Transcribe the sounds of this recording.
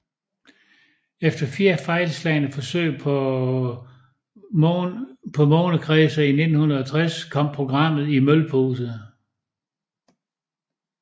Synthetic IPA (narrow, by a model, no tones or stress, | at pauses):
efd̥ɐfiːɐfɑ̈ɪləslɛɪnəfɒ̽sø̰ː | pʰɒ̽mɔːnəkʰʁɛːsɐine̝d̥n̩hunɐɒ̽t͡sʰʁaskʰɒ̽m̰pʰʁo̝ɡ̥ʁɑ̈m̰ð̩ˠimølpʰo̝ːsə